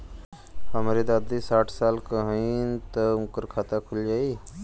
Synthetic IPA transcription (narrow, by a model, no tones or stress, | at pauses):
ɦəmɾid̪ad̪isaːʈʰsaːlkəɦəint̪əũŋkəɾkʰaːt̪akʰuld͡ʒaːiː